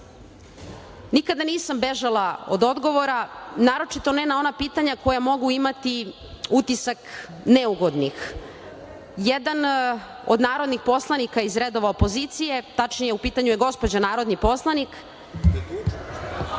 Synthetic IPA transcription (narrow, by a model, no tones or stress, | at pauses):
nikad̪aniːsambeʒalˠao̰d̪o̞d̪ɡo̞ʋo̞ɾanaːɾo̞t͡ʃit̪o̞nenao̞napiːt̪aɲako̞jamo̞ɡuimat̪i | ut̪isak | neuɡo̞d̪nix | jed̪an | o̞̰d̪naːɾod̪nixpo̞slˠanikaizɾed̪o̞ʋaopo̞zit̪sije̞t̪at͡ʃnijeupiːt̪aɲujeɡo̞spod͡ʑanaːɾo̞d̪nipo̞slˠanik